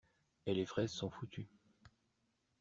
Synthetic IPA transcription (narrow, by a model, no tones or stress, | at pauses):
elefχɛzsɔ̃fut̪ʰy